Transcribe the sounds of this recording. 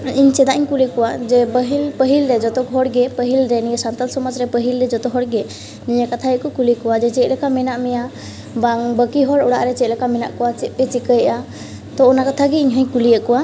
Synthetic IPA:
iɲt͡ʃɛd̪aʔiɲkulikɔwad͡ʒɛbəɦilpəɦilɾɛd͡ʒɔt̪ɔkɦɔɽɡɛpəɦilɾɛnijasant̪alsɔmɔd͡ʒɾɛpəɦilɾɛd͡ʒɔt̪ɔɦɔɽɡɛ | niɲakat̪ʰajəʔkɔkulikɔwad͡ʒɛt͡ʃɛʔ̪̚lɛkamɛnaʔmɛja | baŋbəkiɦɔɽɔɽa̰ʔɾɛt͡ʃɛʔ̪̚lɛkamɛna̰ʔkɔwat͡ʃɛt̪̚pɛt͡ʃikəjʔa | t̪ɔɔnakat̪ʰaɡɛiɲɦə̃jkulijəʔkɔwa

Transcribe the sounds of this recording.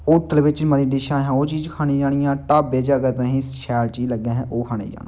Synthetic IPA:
ʊʈʰːəlʋɪt͡ʃməd̪iːɖɪʃãːɦãːoːt͡ʃiːd͡ʒkʰaːniːd͡ʒaːɽ̃ijãːʈaːpbeːd͡ʒaːkəɾt̪ãːɦĩːʃɛːlt͡ʃiːd͡ʒləɡːãːɦɛ̃ːʔoːkʰaːñḛːd͡ʒa̰ːna

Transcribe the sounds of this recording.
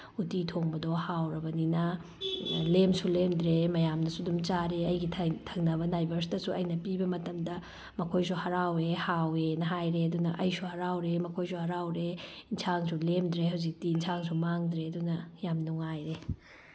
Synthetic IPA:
utitʰoŋbɐdɔhawɾɐbɐninɐ | lemsulemdɾemɐjamnɐsudumt͡ʃaɾeɐjɡitʰɐŋnɐbɐndajbɐɾs̬dɐsuɐjnɐpibɐmɐtɐmdɐ | mɐkʰojsuhɐɾawehawenɐɦajɾeɐdunɐʔɐjsuhɐɾawɾemɐkʰojsuhɐɾawɾeinsʰaŋsulemd̪ɾeɦɐwzik̚tiːnsaŋsumaŋdɾeɐdunɐjamnuŋajɾe

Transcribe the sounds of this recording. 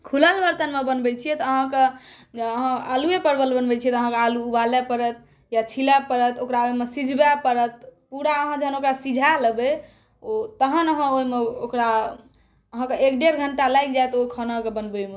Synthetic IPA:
kʰuləlbəɾt̪ənmebənbɛt͡ʃʰijɛt̪əɦãked͡ʒeəɦãaluepəɾbəlbənbɛt͡ʃʰiɛt̪əɦãkealuːbalepəɾət̪̚ | jat͡ʃʰilɛpəɾət̪okɾaoimesid͡ʒʱbepəɾət̪̚puɽaəɦãd͡ʒəɦənokɾasid͡ʒʱaləbɛ | ot̪əɦənəɦãoimeokɾa | əɦãkeekɖeɾɡʱəɳʈalajk̚d͡ʒajt̪okʰənəkebənbɛme

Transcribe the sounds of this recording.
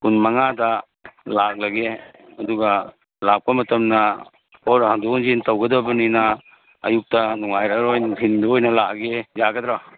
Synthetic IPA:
kunmɐŋadɐ | lak̚lɐɡeɐduɡɐ | lak̚pɐmɐtɐmnɐ | pʰɔɾɦanduŋzintɐwɡɐdɐbɐninɐ | ɐ̰juk̚tɐnuŋajɾɐɡɾojnuhʰinduojnɐlak̚ɡezaɡɐdɾaa

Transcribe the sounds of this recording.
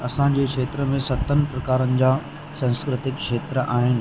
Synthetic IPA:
ɐsãd͡ʑeːkʃeːt̪ɾəmẽsɐt̪ʰənɪ̆pɾɐkaːɾənɪ̆d͡ʑaː | sãːnskɾɪt̪ɪkʃeːt̪ɾəʔaːɦɪnɪ̆

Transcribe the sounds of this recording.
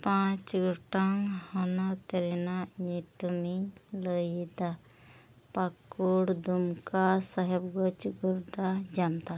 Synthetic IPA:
pãt͡ʃɡuʈaŋhɔnat̪eɾinaɲiʈumiləjid̪a | pakːuɽd̪umkasəɦɛbɡɔt͡ʃɡuɾd̪ad͡ʒamd̪a

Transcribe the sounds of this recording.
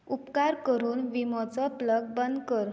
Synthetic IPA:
upkaɾkəɾuːnʋimɔt͡sɔpləɡ̚bənd̪kəɾ

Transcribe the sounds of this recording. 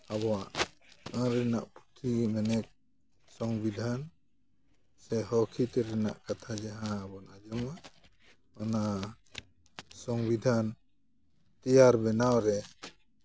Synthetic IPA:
abɔwaʔə̃ɾɛna̰ʔput̪ʰimɛnɛk̚ | sɔŋbid̪ʱan | sɛɦɔkʰit̪ɛɾɛna̰ʔkat̪ʰad͡ʒaɦãːbɔnad͡ʒɔmaʔ | ɔna | sɔŋbid̪ʱan | t̪ijaɾbɛnawɾɛ

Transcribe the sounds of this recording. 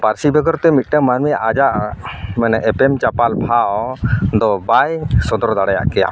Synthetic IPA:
paɾsibʱɛɡɔɾt̪ɛmit̪̚ˀʈɛmanmɛjaʔad͡ʒaʔmɛnɛʔɛpɛmt͡ʃapalbʱa | d̪ɔbajsɔd̪ɔɾd̪aɽaja̰ʔkɛja̰

